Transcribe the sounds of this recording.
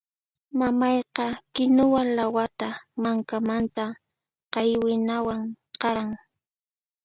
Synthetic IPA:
mamɑjqɑkɪnʊwalawat̪amaŋkamant̪a | qɑjwɪnawaŋ | qɑɾaŋ

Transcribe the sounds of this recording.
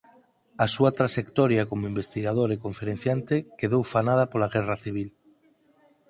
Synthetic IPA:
asuat̪ɾaʃekt̪ɔɾjakomoimbest̪iɣað̞oɾekoɱfeɾẽn̟θjant̪ekeðowfanað̞apolaɣɛraθiβ̞il

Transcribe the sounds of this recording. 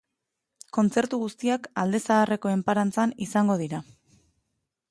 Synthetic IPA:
ko̞nt͡se̞ɾt̪uɣust̪iakald̪e̞saːre̞ko̞e̞mpaɾant͡sanisaŋɡo̞ðiɾa

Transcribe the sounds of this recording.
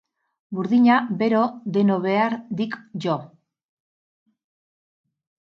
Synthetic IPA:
buɾðiɲabe̞ɾo̞d̪e̞noβe̞aɾd̪ikʝo

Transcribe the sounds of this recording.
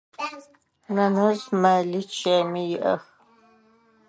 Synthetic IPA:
nɐnɐzmɐlit͡ʃʰemijɪʔɐx

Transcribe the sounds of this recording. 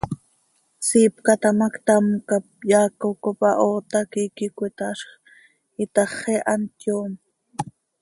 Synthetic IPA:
siːpkat̪ɑmakt̪amkap̚jaːkokopɑʔoːt̪akikikʷit̪ɑʃχ | it̪ɑχeʔant̪joːm

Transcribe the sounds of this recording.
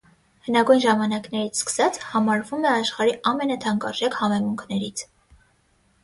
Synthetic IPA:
hənɑɡujnʒɑmɑnɑknɛɾit͡sʰskə̥sɑt͡sʰhɑmɑɾvumɛɑʃχɑɾiʔɑmɛnɑt̪ʰɑŋkɑʒɛkhɑmɛmuŋkʰnɛɾit͡sʰ

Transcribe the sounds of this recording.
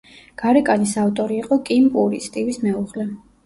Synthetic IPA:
ɡ̥aɾɛkʼanisaft̪ʼɔɾiːqʼɔkʼimpʼuɾist̪ʼivismɛuʁlɛ

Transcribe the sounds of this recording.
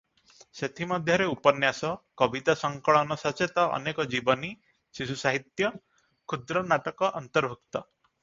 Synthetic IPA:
set̪ʰimɔd̪ʱjɔɾeupɔnjasɔkɔbit̪asɔŋkɔɭɔnɔsat͡ʃʰet̪ɔʔɔ̰nekɔd͡ʒibɔni | sisusaɦit̪jɔ | kʰud̪ɾɔnaʈɔkɔʔɔnt̪ɔɾbʱuk̚t̪ɔ

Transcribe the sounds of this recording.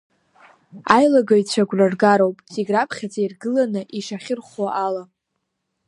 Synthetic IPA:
ajlaɡait͡ɕʷʰaɡʷrarɡaɾowpʼtʼiɡrapʰχʲat͡saijrɡɨlanɨʔiʂaχʲɪrχwaʔala

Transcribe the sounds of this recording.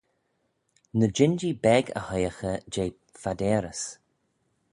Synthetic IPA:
nəd͡ʒɪnd͡ʒibɛɡə̰həjəxəd͡ʒeː | fad̪ɛːɾəs

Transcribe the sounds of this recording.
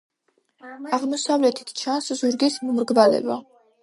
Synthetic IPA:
aʁmɔsavlɛt̪ʰi̥t̪ʰt͡ʃʰanszuɾɡɛsmumɾɡbalɛ̰ba̰

